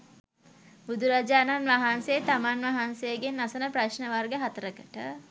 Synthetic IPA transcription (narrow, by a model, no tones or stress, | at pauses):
bud̪uɾad͡ʒaːnanʋaɦansejet̪amanʋaɦansejəɡenːasənəpraʃnəʋarɡəɦat̪əɾəkəʈə